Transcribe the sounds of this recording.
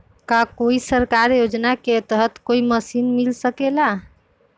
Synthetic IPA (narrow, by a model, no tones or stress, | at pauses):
kakoisəɾkaɾjod͡ʒnaket̪əɦət̪koiməsinmilsəkela